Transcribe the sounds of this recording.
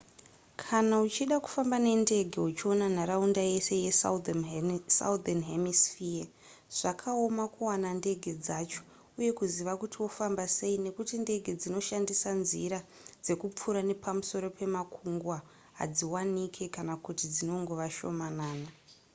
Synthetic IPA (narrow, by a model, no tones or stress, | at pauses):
kʰanaut͡ʃiɗaku̥fambane̞nde̞ɡʱe̞ut͡ʃio̞nanaɾaundaje̞se̞je | sa̰udanɦemisfia | ʐ̥akʰao̞makuwanande̞ɡʱe̞d͡zat͡ʃo | uje̞kuziʋakutiwo̞fambase̞ine̞kutinde̞ɡʱe̞d͡zino̞ʃandisanziɾa | d͡ze̞kup͡fuɾane̞pamuso̞ɾo̞pe̞makʰuŋɡwa | ɦa̰d͡ziwanikʰe̞kanakutid͡zino̞ŋɡo̞ʋaʃo̞̰manaːna